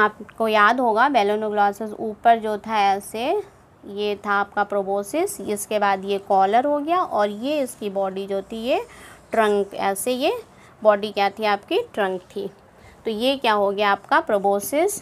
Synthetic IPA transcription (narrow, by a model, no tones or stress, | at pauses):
aːpkojaːd̪ɦoːɡabɛːloːnoɡlaːsɪsuːpəɾd͡ʒoːt̪ʰaɛːse | jet̪ʰaːp̚kapɾoboːsɪsɪskebaːd̪jekɔːləɾɦoɡɐjaʔɔːɾjeɪskibɔːɖid͡ʒoːt̪ʰijeʈɾɐ̃ŋkɛ̰ːseje | bɔːɖikjaːt̪ʰiaːpkiʈɾɐ̃ŋk̚t̪ʰiː | t̪ojekjaɦoɡɐjaaːpkapɾoboːsɪs